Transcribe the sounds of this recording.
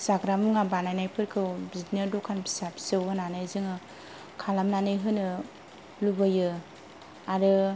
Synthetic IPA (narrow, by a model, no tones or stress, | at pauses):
saɡɾamɯŋabanajnajpʰɯɾkʰɯwbidnɯɾdɔkʰanpʰi̥sapʰi̥sɯwɯnanɯjzɯŋɯ | kʰalamnanɯjɦɯnɯ | lubɯjɯ | aɾɯ